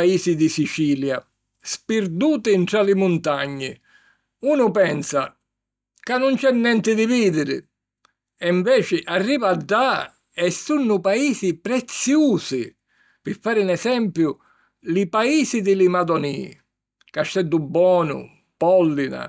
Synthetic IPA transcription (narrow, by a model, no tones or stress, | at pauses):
aiːsid̪isit͡ʃiːlja | spɪɾd̪uːt̪ɪnt̪ɾalɪmʊnt̪aɲːɪ̰ | uːnʊpɛnsa | kanːʊnt͡ʃɛnːɛnt̪ɪd̪ɪviːd̪ɪɾɪ̰ | ɛɱvɛːt͡ʃɪʔarːiːvaɖːa | ɛsunːʊpaiːsipɾɛt̪sːjuːsɪ | pɪfːaːɾɪnɛsɛmpjʊ | lɪpaiːsid̪ɪlimad̪ɔnḭː | kaʃt̪ɛd̪ːʊbːɔːnʊ̰ | pɔlːina̰